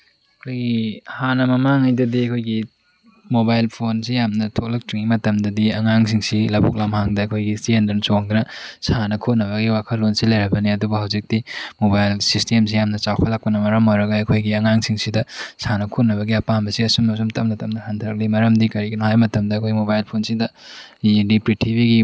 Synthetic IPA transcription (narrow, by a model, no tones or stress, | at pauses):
ɐkʰojɡihanɐmɐmaŋajdɐdiɐkʰojɡi | mobajlpʰonsijamnɐtʰok̚lɐk̚tiŋimɐtɐmdɐdiɐŋaŋsʰiŋsilɐbok̚lamhaŋdɐːkʰojɡisendɐnt͡ʃoŋdunɐsanɐkʰot̚nɐβɐɡiwakʰɐlːonsilɐjɾɐbɐniɐdubɐhawzik̚timobajlsistems̬ijamnɐt͡ʃawpʰɐlak̚pɐnɐmɐɾɐmojɾɐɡajɐkʰojɡiɐŋaŋsiŋsidɐsanɐkʰot̚nɐβɐɡiɐpambɐsiɐsumnɐs̬umtɐmnɐtʰɐmnɐhantʰɐɾɐk̚limɐɾɐmdikɐɾiɡɐnuɦhajmɐtɐmdɐːkʰojɡimobajlpʰonsidɐ | dipɾitʰibʱiɡi